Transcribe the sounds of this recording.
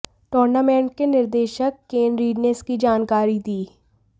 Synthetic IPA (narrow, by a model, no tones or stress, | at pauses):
ʈoːɾnamɛ̃ːɳʈ̚kenɪɾd̪eːʃəkːeːnɾiːɖneskid͡ʒaːnkaːɾid̪iː